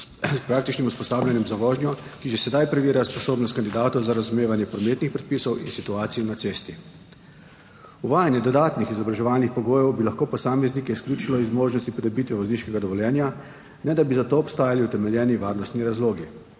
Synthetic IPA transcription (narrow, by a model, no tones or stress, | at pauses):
spɾaːkt̪it͡ʃnimuspɔst̪aːbljanjɛmzaʋɔːʒnjɔkiʒɛsɛd̪ajpɾɛʋiːɾjaspɔsoːbnɔst̪kand̪id̪aːt̪ɔwzaɾazumeːʋanjɛpɾɔmet̪nixpɾɛt̪̚piːsɔwḭnsit̪uaːt̪sijnat̪seːst̪i | uʋaːjanjɛd̪ɔd̪aːt̪nixizɔbɾaʒɛʋaːlnixpɔɡoːjɛwbilaxkoːpɔsaːmɛznikɛiskljuːt͡ʃilɔizmoːʒnɔst̪ipɔd̪ɔbit̪ʋɛʋɔzniːʃkɛɡad̪ɔʋɔljɛːnja | nɛd̪abizat̪oːpst̪aːjaliut̪ɛmɛljɛːniʋaːɾnɔst̪niɾazloːɡi